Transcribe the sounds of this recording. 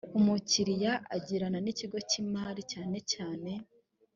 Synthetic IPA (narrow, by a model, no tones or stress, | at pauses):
umuciɾijaʔa̰ɟiɾananiciɡo̞cimaɾicaːne̞caːne̞